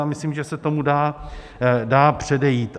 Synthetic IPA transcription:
amɪslimʒɛsɛt̪o̞mudaː | daːpr̝̥ɛdɛjiːt̪

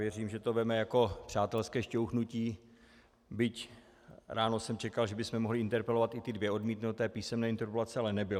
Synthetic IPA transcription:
jɛriːmʒɛt̪o̞vɛmɛjako̞pr̝̥aːt̪ɛlskɛːʃcowxnuciː | bɪc | ɾʔaːno̞sɛmt͡ʃɛkalʒɛbɪsmɛmo̞ɦlɪʔɪnt̪ɛɾpɛlo̞vat̪ɪt̪ɪdvjɛʔo̞dmiːt̪nut̪ɛːpiːsɛmnɛːɪnt̪ɛɾpolat͡sɛalɛnɛbɪl

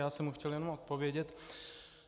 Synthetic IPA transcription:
aːsɛmhuxcɛljɛnomot̪̚povjɛɟɛt̪

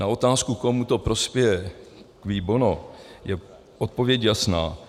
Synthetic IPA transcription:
nao̞t̪aːskukomut̪opɾo̞spjɛjɛkviːbonojɛ | ʔot̪̚po̞vjɛcjasna̰ː

